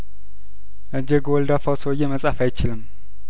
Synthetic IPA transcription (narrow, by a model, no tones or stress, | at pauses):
ʔɨɲd͡ʒeɡowɔld̪afawsowɨjːɛməsʼafajt͡ʃɪlɨm